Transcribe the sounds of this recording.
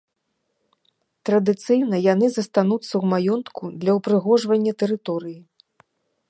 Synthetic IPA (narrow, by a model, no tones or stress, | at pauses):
t̪ɾɐd̪ɨt̪sɨjnɐjanɨzɐst̪anut̪sːɐwmajɔnt̪kʰud̪lʲɐwpɾɨɣɔʐvɐnʲːɐt̪ɛɾɨt̪ɔɾɨji